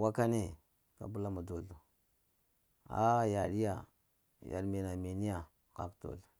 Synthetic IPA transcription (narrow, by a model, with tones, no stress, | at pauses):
wa˦ka˦ne˦ | ka̰˨bu˦la˦ma˨do˨ɮo˨ | a̰˦ja˨ɗi˦ja˨ | ja̰˨ɗme˨na˨me˨ni˦ja˨ | ka˨kto̰˨ɮo˨